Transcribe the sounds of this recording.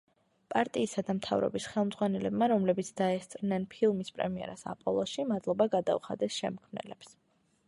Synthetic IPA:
pʼaɾt̪ʼiːsad̪amt̪ʰavɾɔ̰bisχɛlˠmd̪zʁwanɛlɛbmaɾɔmlɛbit̪sʰd̪̥aɛst̪sʼɾnɛnpʰilˠmispʼɾɛ̰miɛ̰ɾasa̰pʼɔlˠɔsʃimad̪lˠɔbaɡad̪a̰uχa̰d̪ɛsʃɛmkʰmnɛ̰lɛps

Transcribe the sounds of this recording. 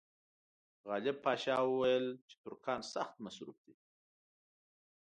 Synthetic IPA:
ɣɑlɪb̚pɑʃɑwəwajəlt͡ʃe̥t̪ʊɾkʰɑnsaxt̪masɾṵf̚d̪e

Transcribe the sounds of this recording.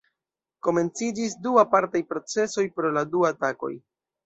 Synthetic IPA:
ko̞me̞nt͡sid͡ʒisduapaɾtajpɾo̞t͡se̞so̞jpɾo̞laduatako̞̰j

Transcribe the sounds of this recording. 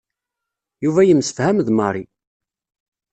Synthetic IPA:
juvæjəmsə̥fhæmðmɑɾˤi

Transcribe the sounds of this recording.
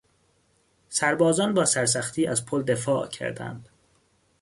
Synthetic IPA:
sæɾbɒːzɒːnbɒːsæɾsæxt̪ʰiːʔæzpʰold̪e̞fɒːʔcʰæ̰ɾd̪æ̰nd̪̥

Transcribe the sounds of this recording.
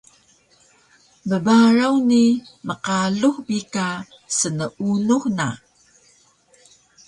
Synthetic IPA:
məbaɾawniməqaɮuxbika | sənəʔunuxna̰

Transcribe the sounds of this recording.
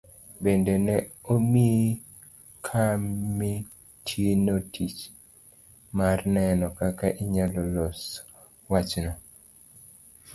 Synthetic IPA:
bendenɛomi | kʰamːi | tʰjenotʰit͡ʃ | marnɛnɔkakaʔiɲalɔlɔs | wat͡ʃnɔ

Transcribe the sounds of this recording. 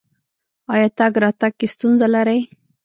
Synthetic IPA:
ɑjɑt̪aɡɾɑt̪aɡ̚kest̪unzalaɾaj

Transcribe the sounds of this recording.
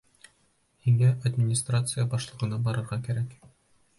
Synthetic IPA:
hiŋæʔɐd̪ʲmʲɪnʲɪst̪rat̪sɨjabɒʃlˠɤ̆ʁɤ̆nɑbɒɾɤ̆ɾʁɑkæɾæk

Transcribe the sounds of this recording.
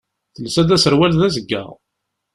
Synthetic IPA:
θəlsæd̪æsəɾwælðæzəɡːæ̰ʁ

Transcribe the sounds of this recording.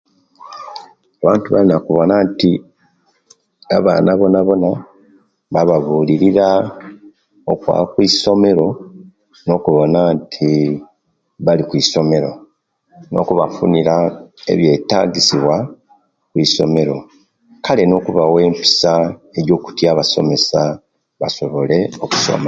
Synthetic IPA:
aβaːntuβa̰linakuβo̞naːnti | aβa̰ːnʔaβo̞naβo̞na | βaβaβuːliɾiɾa | okwa̰kwiso̞me̞ɾo̞ | no̞ːkuβo̞naːntʰi | βalikwiːso̞me̞ɾo̞ | no̞̰kuβafuniɾae̞̰βje̞ːta̰ɟisiβwa | kwiːso̞̰me̞ɾo̞̰ | kale̞no̞ːkuβawe̞ːmpi̥sae̞ɾjo̞ːku̥tjaːβaso̞̰me̞sa | βaso̞βo̞le̞oku̥so̰ma

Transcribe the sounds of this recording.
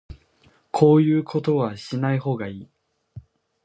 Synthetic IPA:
kʰo̞ːjɯ̟ːkʰo̞t̪o̞βaɕinaiho̞ːɡaiː

